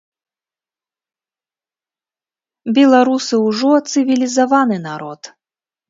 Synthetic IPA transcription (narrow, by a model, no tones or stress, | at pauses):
bʲɛlˠaɾusɨwʐɔt̪sɨvʲilʲizavanɨnaɾɔt̪